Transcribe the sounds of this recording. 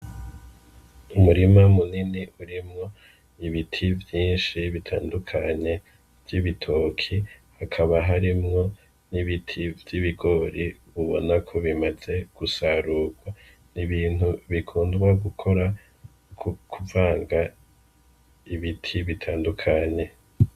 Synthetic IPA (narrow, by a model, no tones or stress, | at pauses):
umuɾimamuniniʔuɾimŋo̞ | iβitʰivjiːnʃiβitʰa̰ːndukʰaɲe̞ | vjiβitʰo̞kʰihakʰaβaɦaɾimŋo̞ | niβitʰivjiβiɡo̞ɾiβuβo̞̰nakʰo̞βimaz̥e̞ɡ̥usaɾuːɡwa | niβiːn̥uβikʰuːndɡwaɡukʰo̞ɾa | kkʰuvaːŋɡa | iβitʰiβitʰaːndukʰaɲe̞